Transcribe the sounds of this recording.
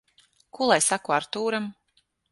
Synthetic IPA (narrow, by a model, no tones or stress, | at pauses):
kulˠajsakuaɾt̪uːɾam